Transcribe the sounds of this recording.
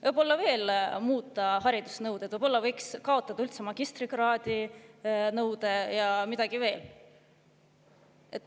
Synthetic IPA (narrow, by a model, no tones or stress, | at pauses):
vɤbo̞lːɑve̞ːlmuːt̪ːˑɑɦɑɾid̪̥usnɤwd̪̥et̪vɤjb̥o̞lːɑvɤjkskɑo̞t̪ːˑɑd̪̥ɑylt̪semɑɡ̥ist̪riɡrɑːd̪̥i | nɤwd̪̥e̞jɑmid̪̥ɑɡ̥ive̞ːl | et̪ːˑ